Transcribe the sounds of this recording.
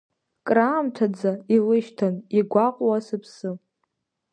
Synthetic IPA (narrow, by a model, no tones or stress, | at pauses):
kʼraːmtʰad͡zailɨʃtʰaniɡʷaqʷʼwasɨpʰsɨ